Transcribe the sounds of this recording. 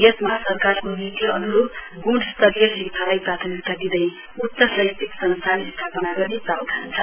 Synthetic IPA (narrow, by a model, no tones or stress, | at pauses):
jʌt̪mʌɦasʌrkarkonit̪iʌ̰nuɾok | ɡuɽst̪ʌɾijʌɦikt̪ʰalajprat̪ʰʌmikt̪ad̪id̪ʌj | ut̪ːʌsʌjt̪iksʌnst̪ʰanist̪ʰapʌnaɡʌɾiprawt̪ʰant͡sʰʌ